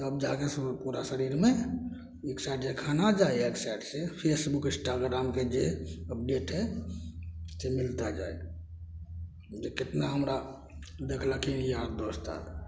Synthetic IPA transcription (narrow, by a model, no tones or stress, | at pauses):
t̪ɔəbd͡ʒaɡespuɾasəɾiɾme | eksajʈd͡ʒekʰanad͡ʒajeksaiʈsepʰesbukĩsʈaɡɾamked͡ʒeəp̚ɖeʈɦɛ | semilt̪ad͡ʒa̰e | d͡ʒeket̪naɦəmɾa | d̪ekʰləkijiɦaɾd̪ost̪a̰l